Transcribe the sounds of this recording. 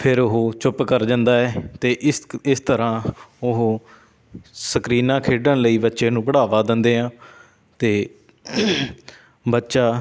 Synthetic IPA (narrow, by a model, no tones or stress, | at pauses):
pʰɪɾʊɦoːt͡ʃʊpkəɾd͡ʒə̃nd̪aːɛːt̪eːʔɪsɪst̪əɾãːʊɦː | səkɾiːnãːkʰeːɖəɳləiːbətːʃẽːnũːpəɽaːʋaːd̪ɪ̃nd̪eːɦãː | t̪eː | bətːʃaː